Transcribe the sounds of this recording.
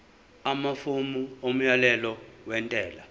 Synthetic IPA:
amafumuom̩jalɛlɔwɛntʼɛːla

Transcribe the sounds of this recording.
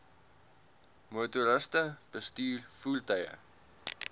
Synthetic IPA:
motuɾəstəb̥əstyːrfultəjə̰

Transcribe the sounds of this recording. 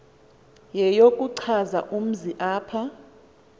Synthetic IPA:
jɛjokʼuǀʰaza̰ʔum̩ziʔaːpʰa

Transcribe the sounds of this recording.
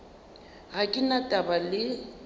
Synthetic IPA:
ɣakʼɪnatʼabalɪ

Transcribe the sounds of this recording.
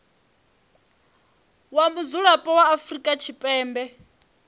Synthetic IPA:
wamud͡zuɺapʼɔwaːfrikʼat͡ʃʰipʼɛːmbɛ

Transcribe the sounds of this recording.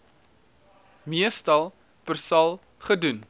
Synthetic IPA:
miəstɐlˠ | pərsɐlˠ | χədun

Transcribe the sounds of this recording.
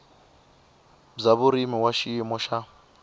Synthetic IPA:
d͡zaβuɾimiwaʃiːmɔʃa

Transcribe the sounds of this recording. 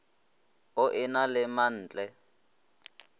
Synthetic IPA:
ʊʔɪnalɪman̩ːt͡ɬʼɛ

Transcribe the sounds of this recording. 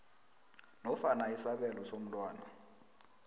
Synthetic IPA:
nɔfanaisaɓɛlɔsom̩lwaːna̰

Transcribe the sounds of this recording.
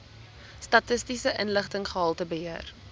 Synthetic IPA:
stɐtəstisəʔənləχtəŋχəɦɑlˠtəbəɦiər

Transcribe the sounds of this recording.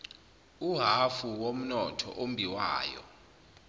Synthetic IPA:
uɦafuwom̩nɔtʰɔ̰ʔombʱiwa̰ːjɔ̰

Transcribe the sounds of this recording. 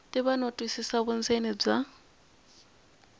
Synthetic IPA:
tʼiβanɔtʼwisisaβʊnd͡zenib͡ʐa

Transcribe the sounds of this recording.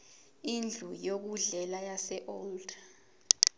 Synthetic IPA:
ind͡ɮʱujok̬uɮɛlajasɛʔɔlda

